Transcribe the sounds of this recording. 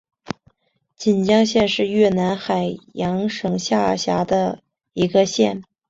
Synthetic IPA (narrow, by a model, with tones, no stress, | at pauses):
t͡ɕi˨˩nt͡ɕjɑ˥ŋɕjɛ˥˧nʂɻ̩˥˧ɥɛ˥˩na˧˥nxa˨˩ɪjɑ˧˥ŋʂɤ˨˩ŋɕja˥˧˩ɕja˧˥d̪ə˧ | i˧˥ɡə˧ɕjɛ˥˩n